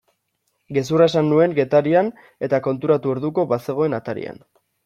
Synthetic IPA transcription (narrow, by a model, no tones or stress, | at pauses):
ɡe̞s̬urae̞sanːue̞ŋɡe̞t̪aɾian | e̞t̪ako̞nt̪uɾat̪uoɾðuko̞βase̞ɣ̞o̞e̞nat̪aɾḭa̰n